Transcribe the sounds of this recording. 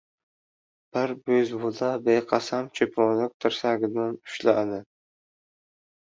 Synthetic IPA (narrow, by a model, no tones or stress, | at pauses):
b̥ɪɾbɵzbolabeqʰɑsamt͡ʃʰɵpʰɒlɪk̚ʲt̪ʰɪɾsaɡʲɪd̪anʊ̥ʃlad̪ɪ